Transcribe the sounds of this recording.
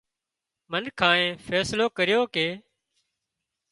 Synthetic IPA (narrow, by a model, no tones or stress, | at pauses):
mənkʰãːẽːfʰɛːsloːkəɾɪjoːkeː